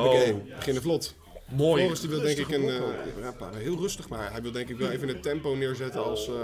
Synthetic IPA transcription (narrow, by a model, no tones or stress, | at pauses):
okebəχɪnəflot | mooəstiʋɪlˠdɛŋkɪkənja̰rapa̰ːɛɦɪːlˠrøstəχmaːɹɦɛjʋɪlˠdɛŋkɪkʋɛlˠejvənətɛmpownɪːɹzɛtənɑlˠs